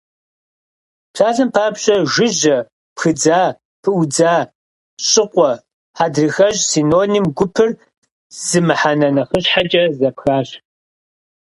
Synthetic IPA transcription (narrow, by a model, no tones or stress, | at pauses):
pɕaːɮɨmpʰaːpɕʼɐʒɪʑɐ | pxɨd͡zaː | pʰɨwd͡zaː | ɕʼɪqʷʼɔ | ħaːdrɨxɐʑsiːnoːniːmɡʷʊpʰɨr | z̥ɨmɨħanɐnɐχəɕħat͡ʃʼɐzɐpxaːɕ